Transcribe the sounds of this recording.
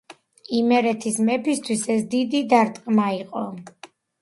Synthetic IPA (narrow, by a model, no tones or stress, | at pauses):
imɛɾɛt̪ʰismɛpʰist̪ʰwisɛsd̪id̪id̪aɾt̪ʼqʼmaiqʼɔ